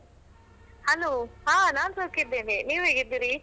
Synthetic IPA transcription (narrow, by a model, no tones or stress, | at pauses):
hɐloːɦaːnaːnsokid̪ːeːniniːʋɦeːɡid̪iːɾi